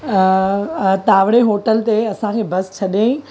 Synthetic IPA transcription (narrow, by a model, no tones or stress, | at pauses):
t̪aːʋɽeɦoːʈəlt̪eɐsãkʰeːbɐst͡ɕʰɐɗẽː